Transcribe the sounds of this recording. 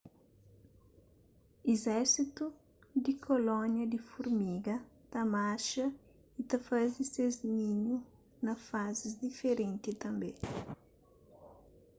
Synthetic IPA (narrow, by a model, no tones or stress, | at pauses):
izɛɾsit̪u | d̪ikʰolɔ̃njɐd̪ifuɾmiɡɐt̪ɐmaʃɐ | it̪ɐfazdiseznĩɲu | nɐfazizd̪ifeɾẽnt̪it̪ɐ̃mbẽ